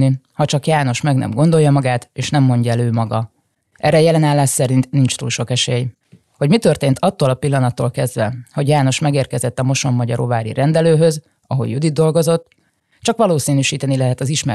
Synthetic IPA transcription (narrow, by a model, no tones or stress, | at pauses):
nihɒt͡ʃɒkjaːno̞ʃmɛɡnɛ̰mɡo̞nd̪o̞jːɒmɒɡaːt̪eːʃnɛmːo̞ɲɟɒɛløːmɒɡɒ | ʔɛrːɛjɛlɛnaːlːaːʃsɛɾint̪nint͡ʃt̪uːlʃo̞kɛʃeːj | ho̞ɟmit̪ø̞rt̪eːnt̪ʰɒt̪ːoːlɒpilːɒnɒt̪ːoːlkɛzd̪ʋɛho̞ɟjaːno̞ʃmɛɡeːrkɛzɛt̪ːɒmo̞ʃo̞mːɒɟɒɾo̰vaːɾḭɾɛnd̪ɛløːɦø̞z | ɒɦo̰jud̪id̪̚d̪o̞lɡo̞zo̞t̪ː | t͡ʃɒkʋɒloːsiːnyːʃiːt̪ɛnilɛɦɛt̪ɒziʃmɛ̰